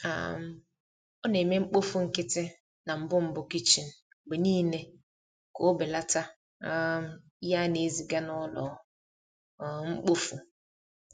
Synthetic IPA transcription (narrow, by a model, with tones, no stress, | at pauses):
a̰˨m̩˨ | ɔ˦ne˨me˦ŋ͡m̩˦k͡po˦fu˦ŋ̩˨kɪ˦tɪ˦ | na˨m̩˨bʊ˦m̩˨bʊ˨ki˦t͡ʃi˨n̩˦ | ɡ͡be˨niː˦ne˦ | ko˨˦bɪ˨la˦ta˦ | ja˦ne˨˦zi˨ɡa˦nɔ˦lɔ˨ | ŋ͡m̩˦k͡po˦fu˦